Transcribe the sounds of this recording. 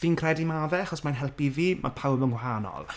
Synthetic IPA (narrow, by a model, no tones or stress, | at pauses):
viːnkʰrɛdimavɛaχɔsmanɦɛlˠpiviːmʔa̰pʰawbənwɦaːnɔ̰lˠ